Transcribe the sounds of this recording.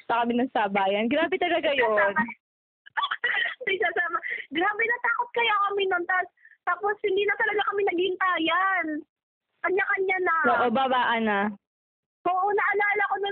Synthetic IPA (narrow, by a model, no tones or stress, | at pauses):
sɐkɐmɪnɐŋsɐbaːjɐnɡɾaːbɛt̪ɐlɐɡajoan | nɐɡsasaːmɐɡɾaːbɛnɐt̪aːkot̪̚kɐjokɐmɪnont̪ast̪aːposhɪnd̪iːnɐt̪ɐlɐɡakɐmɪnɐɡhɪnt̪aːjan | ʔɐɲːakɐɲːanɐʔoːʔobabaːʔɐnɐ | ʔoːʔonɐʔɐlaːlɐkonɐ